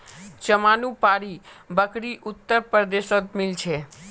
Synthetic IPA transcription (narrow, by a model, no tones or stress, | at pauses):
t͡ʃəmanũpaɾibəkɽiʔʊt̪ːəɾpəɾd̪eʃot̪̚mɪlt͡ʃʰe